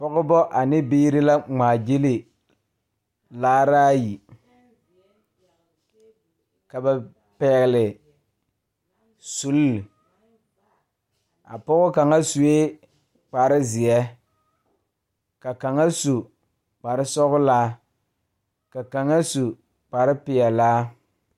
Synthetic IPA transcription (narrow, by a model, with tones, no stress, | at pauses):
pɔ˦ɣʊ˦bɔ˦ʔa˨nɪ˦biː˦ɾɪ˦la˦ŋ͡maː˨d͡ʒi˦li˨ | laː˦ɾaː˦ji˨ | ka˨ba˨ | pɛ˨ɣɪ˨lɪ˨ | su˨˦lːɪ˨ | a̰˨pɔ˦ɣʊ˦ka˨ŋa˦su˨e˦ | k͡pa˨ɾɪ˦zɪ˨jɛ˦ | ka˨ka˨ŋa˦su˨ | k͡pa˨ɾɪ˦sɔ˦ɣʊ˦laː˦ | ka˨ka˨ŋa˦su˨ | k͡pa˨ɾɪ˦pɪ˨ɛ˨laː˦